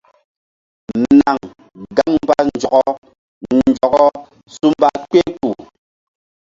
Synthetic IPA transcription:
na˨ŋ | ɡa˦ŋm˦ba˦n˨d͡ʒɔ˨kɔ˦ | n̩˨d͡ʒɔ˨ɡɔ˦ | su˦m˦ba˦k͡pe˦k͡pu˨

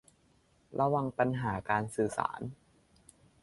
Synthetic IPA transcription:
ɾʔa˧wa˧ŋpa˧nɦaː˩˦kaː˧nsɯː˨˩sa̰ː˩˦n

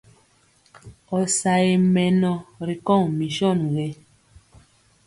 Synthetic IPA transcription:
ɔ˨sa˨e˨mɛ˨nɔ˨ɾi˨kɔ˦˨ŋmi˨ʃɔ˦˨nɣɛ˨˦

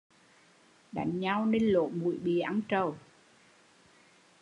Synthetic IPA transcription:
ɗa̰˨˩˦jŋɲa˧wne˧nlo̰˧˨mṵ˧˩˦jɓḭ˧˨ʔa˨˧˦nt͡ɕə˨˩w

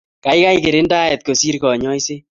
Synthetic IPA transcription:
ka˨jka˦jke˨ɾɪ˦nda˦ɛ˨t̪̚ko˨si˦ɾkɔ˨ɲɔ˦jse˦

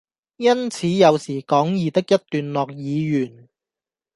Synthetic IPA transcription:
jɐ˥nt͡sʰiː˨˥jɐ˨˧wsiː˨˩kɔː˨˥ŋjiː˨˩t̪ɪ˥k̚jɐ˥t̚t̪yː˨nlɔː˨k̚jiː˨˧jyː˨˩n

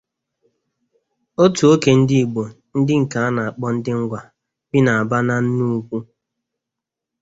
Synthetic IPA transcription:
o˦tu˨o˦ke˨n̩˦dɪ˦i˨ɡ͡bo˨ | n̩˦dɪ˦ŋ̩˨ka˨a˦na˨a˨k͡pɔ˦n̩˦dɪ˦ŋ̩˦ɡʷa˨ | bi˦na˨a˨ba˦na˦n̩˦nu˦kʷu˦

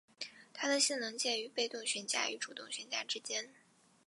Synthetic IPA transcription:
t̪ʰa˥d̪ə˨ɕi˥˩nlɤ˧˥ŋt͡ɕjɛ˥˩ny˧˥pe˥˧ɪt̪ʊ˥˩ŋɕɥɛ˧˥nt͡ɕja̰˥y˧˥ʈ͡ʂu˨˩t̪ʊ˥˩ŋɕɥɛ˧˥nt͡ɕja˥˩ʈ͡ʂɻ̩˥t͡ɕjɛ˥n

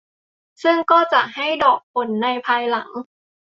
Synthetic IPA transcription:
sɯ˥˩ŋkɔː˥˩t͡ɕa˨˩ʔha˥˩jdɔː˨˩k̚pʰo˨˩˦nːa˧jpʰaː˧jla˩˦ŋ

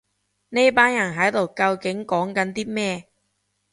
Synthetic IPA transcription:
ne˥jpaː˥njɐ˨˩nɦɐ˨˥jt̪o˨˩wkɐ˧wkɪ˨˥ŋkɔː˨˥ŋkɐ˨˥nt̪iː˥mɛː˥˩

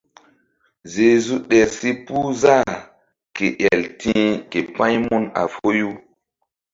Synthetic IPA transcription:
ze˨zu˦ɗe˨ɾsi˦pu˦za˦˨ | ke˨ʔja˨ltĩ˦ke˨pã˦jmu˦na̰˨fo˦ju˦

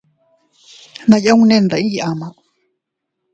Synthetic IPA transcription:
nã˧ja˦ũ˧nẽ˦˧nd̪a˨ĩ˦˨ʔa˨mã˧˨ʔ

